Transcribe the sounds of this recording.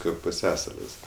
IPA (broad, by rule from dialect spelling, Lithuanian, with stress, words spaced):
ˈkɐɪp pʊˈsʲæːsɐlʲɪs